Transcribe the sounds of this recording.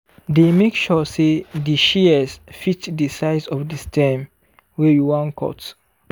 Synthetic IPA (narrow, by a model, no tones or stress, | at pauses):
demekʃɔsediʃiɛsfitdəsaɪzɔfdistʰɛ̃m | wɛjuwãnkʰɔ̰t